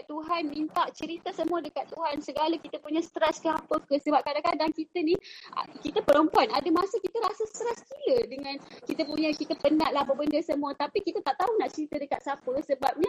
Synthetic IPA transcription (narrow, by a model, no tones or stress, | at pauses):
t̪uɦanmint̪aʔt͡ʃəɾit̪asəmuədəkat̪ːuɦansəɡalakit̪əpuɲəsə̥t̪ɾɛskəapəkəsəbap̚kadakadaŋkit̪ənḭkit̪apəɾɔmpuanadəmasəkit̪əɾasast̪əɾɛskilədəŋãnkit̪əpuɲakit̪apənaʔlahbəbəndəsəmũət̪apikit̪at̪aʔt̪aunaʔt͡ʃəɾit̪adəkat̪̚sapəsəbap̚ɲa